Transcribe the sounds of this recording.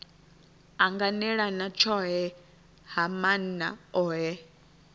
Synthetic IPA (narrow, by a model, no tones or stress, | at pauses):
aŋɡanɛɺanat͡ʃʰɔɦɛ | hamana̰ɔɦɛ